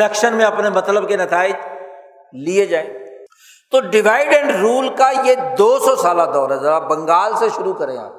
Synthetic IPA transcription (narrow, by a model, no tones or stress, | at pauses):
ɛːkʃənmẽɐpnemɐt̪ləbkenɐt̪ʰaːɪd͡ʒ | lied͡ʒaːẽː | t̪oɖɪʋaːɪɖẽɳɖɾuːlkajed̪oːsɔsaːlad̪ɔːɾɦɛzɐɾabɐ̃ŋɡaːlseʃʊɾukəɾḛ̃ã̰ː